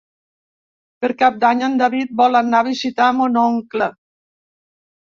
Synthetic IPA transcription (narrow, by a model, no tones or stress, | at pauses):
pəɾkap̚d̪aɲənd̪aβit̪̚bɔlanːaβizit̪amunɔŋklə